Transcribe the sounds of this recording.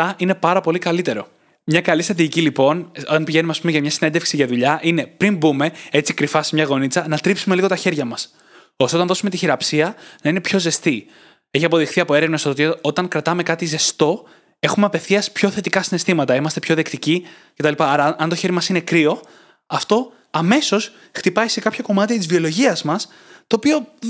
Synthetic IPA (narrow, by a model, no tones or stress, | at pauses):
ɐʔine̞pɐɾɐpo̞likɐlit̪e̞ɾo̞̰ | mɲɐkɐlist̪ɾɐt̪iʝicilipo̞not̪ɐnpiʝe̞numeɐspumeʝɐmɲɐsinend̪efksiʝɐðuʎɐʔine̞pɾimbume̞e̞t͡sikɾifɐsmɲɐɣo̞nit͡sɐnɐt̪ɾipsume̞liɣo̞t̪ɐçe̞ɾʝɐmɐs | ost̪eot̪ɐnðo̞sume̞t̪içiɾɐpsiɐnɐine̞pço̞ze̞st̪i | e̞çiɐpo̞ðixθiɐpo̞e̞ɾevnɐsot̪iot̪ɐŋkɾɐt̪ɐme̞kɐt̪ize̞st̪o̞ | e̞xume̞ɐpe̞fθiɐspço̞θe̞t̪ikɐsine̞st̪imɐt̪ɐimɐst̪e̞pço̞ðekt̪ici | ce̞t̪ɐlipɐɐɾɐɐnt̪o̞çe̞ɾimɐsine̞kɾio̞ | ɐft̪o̞ | ɐme̞so̞s | xt̪ipɐise̞kɐpçɐko̞mɐt̪iɐt̪izvio̞lo̞ʝiɐzmɐs | t̪o̞ːpio̞